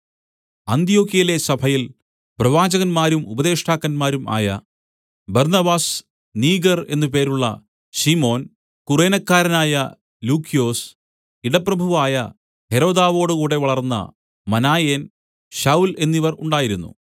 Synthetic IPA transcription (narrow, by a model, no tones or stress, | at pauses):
ɐnt̪ijo̞ːkːijɐle̞sɐbʱɐjil | prɐʋaːd͡ʑɐɣɐnmaːɾumubɐðe̞ːʂʈʰaːkːɐnmaːɾumʔa̰ːjɐ̰ | bɐrnɐbaːs | niːɡɐre̞̰nːɨp̬e̞ːɾuɭːɐ̰ | ɕimo̞ːn | kure̞ːnɐkːaːɾɐnaːjɐ | luːkːijo̞ːs | iɽɐprɐbʱuʋaːjɐ | he̞ɾo̞ːd̪aːʋo̞ːɽɨkuːɽe̞ʋɐɭɐrnːɐ̰ | mɐnaːjeːn | ɕɐule̞nːiʋɐruɳɖaːjiɾunːṵ